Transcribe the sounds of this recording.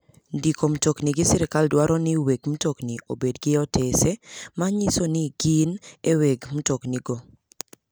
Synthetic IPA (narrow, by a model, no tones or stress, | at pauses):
ndikom̩tokniɡɪsɪɾɪkaldwaɾɔnɪweɡmutokniobedɡɪɔtʰesemaɲisonɪɡineweɡmutokniɡo